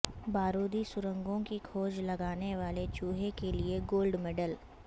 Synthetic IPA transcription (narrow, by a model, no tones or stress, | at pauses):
baːɾoːd̪isʊɾə̃ŋɡõkikʰoːd͡ʒlɐɡaːneʋaːlet͡ʃuːɦekelieɡoːlɖmeːɖəl